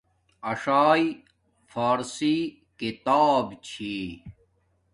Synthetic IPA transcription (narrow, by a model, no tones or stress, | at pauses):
ɐʂaːj | faːɾsi | kit̪aːbt͡ɕʰi